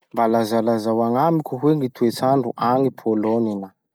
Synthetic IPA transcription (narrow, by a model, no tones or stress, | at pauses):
mbalazalazawaŋamikʲuɦweŋit̪ʰuet͡saɳɖ͡ʐuʔaŋipʰoloninə